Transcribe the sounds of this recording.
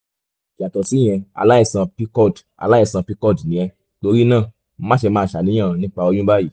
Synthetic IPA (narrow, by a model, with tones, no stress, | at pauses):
ka˨tɔ˨si˨˦j̃ɛ̃˧a̰˧˨la˦ɛ˦˧˨sã˧pi˧˦kɔ˦˨d | a̰˨la˦ɛ˧˨sã˧pi˧˦kɔ˦˨dnĩ˨jɛ̃˧ | to˧ɾi˦nãː˦˨ | m̩˦mã˦ʃe˧mãː˧ʃa˨nĩ˨˦j̃ã˦˨˧nĩ˦k͡pa˧ɔ˧jũ˦ba˦ji˦˨